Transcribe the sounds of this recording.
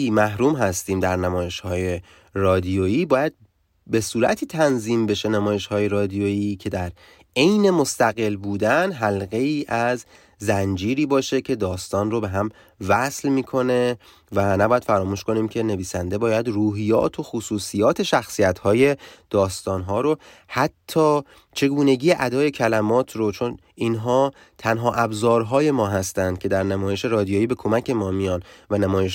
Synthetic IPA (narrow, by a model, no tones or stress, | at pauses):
iːmæhɾuːmɦæst̪iːmd̪æɾnæmɒːje̞ʃhɒːje̞ | rɒːd̪ijoiːbɒːjæd̪̚ | be̞suːɾæ̰t̪ʰiːt̪ʰænziːmbe̞ʃe̞næmɒːjeʃhɒːje̞ɾɒːd̪ijoiːcʰe̞d̪æɾ | e̞jne̞mo̞st̪æɣe̞lbuːd̪ænɦælɣe̞iːʔæz | zænd͡ʒiːɾiːbɒːʃe̞cʰe̞d̪ɒːst̪ɒːnrobe̞ɦæm | væslmiːkʰo̞ne̞ | vænæbɒːjæd̪̥fæɾɒːmuːʃko̞niːmcʰe̞ne̞viːsænd̪e̞bɒːjæd̪ruːɦijɒ̰ːt̪ʰo̞xosuːsijɒːt̪ʰe̞ʃæxsijæt̪hɒːje̞d̪̥ɒːst̪ɒːnɦɒːɾo | hæt̪ʰːɒː | t͡ʃʰe̞ɡuːne̞ɟiːjeʔæd̪ɒːje̞cʰælæmɒːt̪ʰrot͡ʃʰo̞n | inɦɒː | t̪ʰænɦɒːʔæbzɒːɾɦɒːje̞mɒːɦæst̪ænd̪̥̚cʰe̞d̪æɾnæmɒːje̞ʃe̞ɾɒːd̪ijoiːbe̞kʰo̞mæcʰe̞mɒːmijɒːnvænæmɒːje̞ʃ